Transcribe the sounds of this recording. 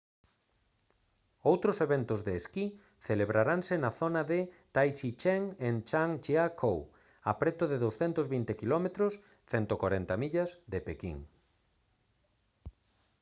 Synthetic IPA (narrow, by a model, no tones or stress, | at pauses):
owt̪ɾʊseβent̪ʊzðeːski | θeleβɾaɾaŋsɪnaθonaðɪt̪ajt͡ʃit͡ʃeŋent͡ʃaŋt͡ʃeakʰow | apɾet̪ʊðɪðowsθɛnt̪ʊzβint̪ekilɔmet̪ɾʊs | θɛnt̪okwaɾent̪amiʎasðepekḭŋ